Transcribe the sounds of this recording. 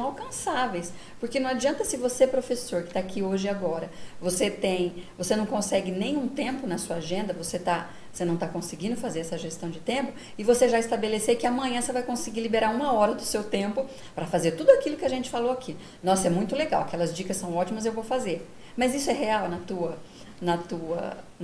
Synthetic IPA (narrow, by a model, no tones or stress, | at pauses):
sɐ̃w̃awkɐ̃savejs | poɾkenɐ̃w̃ad͡ʒiɐ̃nt̪ɐsɪvoseɛpɾofesoɾkɪ̥t̪aːkʰioʒɪaɡɔɾɐvoset̪ẽj̃vosenɐ̃w̃kõsɛɡɪnẽj̃ũt̪ẽmpʊnɐsuɐaʒẽnd̪ɐvoset̪a | vosenɐ̃w̃t̪akõsɪɡĩnd̪ʊfazeɾɛsɐʒest̪ɐ̃w̃d͡ʒɪt̪ẽmpʊ | ɪvoseʒaɪst̪abelesekɪamɐ̃ɲ̃ɐ̃sevajkõsɪɡilibeɾaɾũmɐɔɾɐd̪ʊsewt̪ẽmpʊ | pɾɐfazeɾt̪ud̪ʊakilʊkɪaʒẽnt͡ʃɪ̥faloakʰi | nɔsɛmũj̃t̪ʊleɡawakɛlɐzd͡ʒikɐsɐ̃w̃ɔt͡ʃimɐzewvowfazeɾ | mɐzisʊɛɦeawnɐt̪uɐ | nɐt̪uɐ̰